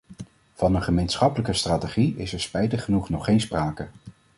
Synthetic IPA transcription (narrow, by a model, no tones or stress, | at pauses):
v̥ɑnənχəmejnsχɑpələkəstraːteχiɪsɛɹspɛjtəχənuχnɔχːejnspraːkə